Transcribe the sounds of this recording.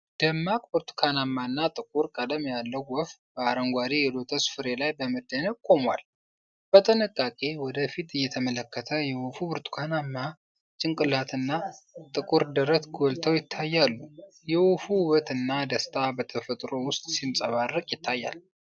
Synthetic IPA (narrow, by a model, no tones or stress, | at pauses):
d̪̥əmːakʼbɨɾt̪ʰu̥kʰanamːanːat̪ʼɨkʼuɾkʼəd̪əmjalːəwwɔfbəaɾəŋɡʷad̪ijɛd̪o̞t̪ʰəsfɨɾe̞lajbəmɨd̪ːənəb̚kʷʼo̞mwa̰l | b̥ət̪ʼɨnɨkʼːakʼe̞wɔd̪əfit̪ɨjːɛt̪ʰəmələkːət̪ʰəjɛwufubɨɾt̪ʰu̥kʰanamːa | t͡ʃʼɪŋkʼɨlat̪ʰɨnːat̪ʼɨkʼuɾd̪əɾət̪ɡolt̪ʰəwjɪt̪ʰːajːalːu | jɛwufuhβət̪ɨnːad̪əst̪ʰʼabət̪ʰəfət̪ʼɾo̞wʊst̪ʼsinsʼəβarːəkʼjɪt̪ʰːajːa̰l